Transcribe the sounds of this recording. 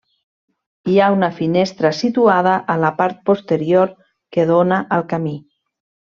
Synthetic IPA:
iaunəfinest̪ɾəsit̪uað̞əʔələpaɾt̪̚post̪əɾjoɾ | keðonaʔəlˠkami

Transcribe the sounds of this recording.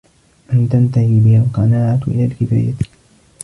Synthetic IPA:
ʔant̪ant̪ahiːbɪhalqɑnaːʕat̪ʔɪ̰laːlkɪfa̰ːja

